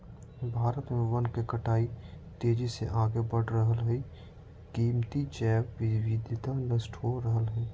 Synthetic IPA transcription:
bʱaːɾət̪mẽwənkekəʈaːi | t̪eːd͡ʒisḛʔaːɡebəɽ̤ɾəɦəlɦɛi | kiːmt̪it͡ʃɛːbʋɪwɪd̪ɪt̪anəsʈɦoɾəɦəlɦɛː

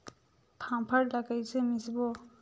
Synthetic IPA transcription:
pʰaŋpʰaɹlakajsemisibɔ

